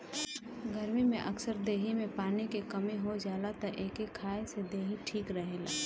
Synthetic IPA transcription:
ɡʱəɾmimẽʔɐksəɾd̪eːɦimẽpaːnikekɐmẽɦod͡ʒaːlat̪ɐʔeːkekʰaːesed̪eːɦiʈʰiːkɾəɦeːla̰ː

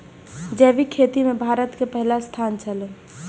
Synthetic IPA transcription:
d͡ʒɛːʋikʰeːt̪imẽbʱaːɾət̪kepəɦlast̪ʰaːnt͡ʃʰəle

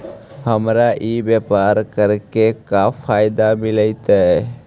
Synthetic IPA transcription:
həmɾaʔiːbepaːɾkəɾkekafʰaːɪd̪amɪləɪt̪aɦɛ

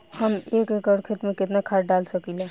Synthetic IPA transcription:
hɐmeːkekəɽkʰet̪mẽkɪt̪nakʰaːʈ̚ɖaːlsɐkilɛː

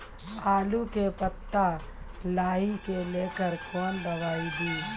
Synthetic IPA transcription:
aːlukepət̪ːa | laːɦikeleːkəɾkɔːnbəʋaːid̪iː

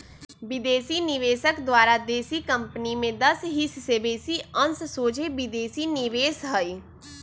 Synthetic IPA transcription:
bɪd̪eːsinɪʋeːsəkd̪waːɾad̪eːsikə̃mpnimẽd̪ɐsɦissebeːsiənssoːd͡ʒebɪd̪eːsinɪʋeːsɦəi

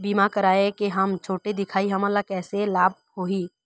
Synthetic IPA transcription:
biːmakəɾaːekeɦəmt͡ʃʰoːʈed̪ɪkʰaːiɦɐmalakɛːselaːb̚hoːiː

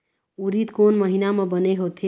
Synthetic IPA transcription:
uɾit̪konməɦinamʌ̃bəneɦot̪ʰe

